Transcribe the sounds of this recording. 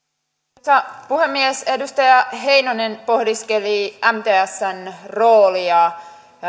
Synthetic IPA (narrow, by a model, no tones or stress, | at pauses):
t̪ɑpuhemːiesedust̪ɑjɑɦe̞inonenpo̞hdiskeliæmt̪eːæsːænroːliɑ